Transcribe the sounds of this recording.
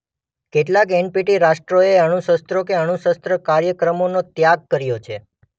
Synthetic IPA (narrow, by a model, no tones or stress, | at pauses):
keʈlakɛnpiʈiɾaʃʈɾoeəɽ̃uʃəst̪ɾokeəɽ̃uʃəst̪ɾəkaɾjəkɾəmonot̪jaɡ̚kəɾjot͡ʃʰe